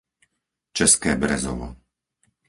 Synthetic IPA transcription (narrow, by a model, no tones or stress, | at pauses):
t͡ʃɛskɛːbɾɛzɔ̰ʋɔ̰